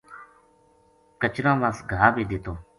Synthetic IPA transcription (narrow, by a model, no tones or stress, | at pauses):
kət͡ʃɾãːʋaːsɡʱaːbiːd̪ɪːt̪oː